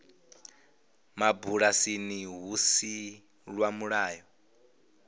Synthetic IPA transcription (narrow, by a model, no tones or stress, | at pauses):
mabuɺasiniɦusi | ɺwamuɺaːjɔ